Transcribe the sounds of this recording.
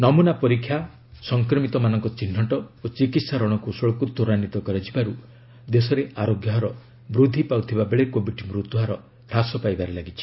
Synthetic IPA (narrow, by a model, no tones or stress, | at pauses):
nɔmunapɔɾikʰja | sɔŋkɾɔmit̪ɔmanɔŋkɔt͡ʃin̤ːɔʈɔot͡ʃikit̪saɾɔɽ̃ɔkusɔɭkut̪ːɔɾanit̪ɔkɔɾed͡ʒʰibaɾu | d̪esɔɾeʔaɾoɡjɔɦɾɔ | mɾud̪ʱipawt̪ʰibabeɭekobiʈimɾut̪uɦaɾɔ | ɾasɔpajbaɾelaɡit͡ʃʰi̥